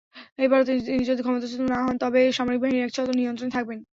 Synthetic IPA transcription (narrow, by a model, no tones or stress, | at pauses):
ejbaɾot̪inid͡ʑod̪ʱikʰɔmot̪at͡ɕut̪ːonaɦɔnt̪ɔbeʃamoɾik̚baɦiniɛk̚t͡ɕʰɔt̪oniont̪ɾonet̪ʰak̚ben